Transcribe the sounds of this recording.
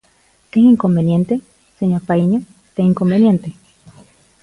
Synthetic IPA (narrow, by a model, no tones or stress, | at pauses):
t̪ehiŋkombenjent̪e | seɲoɾpaiɲo | t̪eiŋko̞mbenjent̪e